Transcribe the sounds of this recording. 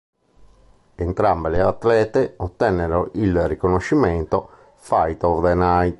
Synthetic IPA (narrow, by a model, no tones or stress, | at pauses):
ent̪ɾambeleat̪ːlɛːt̪eot̪ːɛnːeɾoʔilrikonoʃːimɛnt̪o | fajt̪oɾd̪enaj̪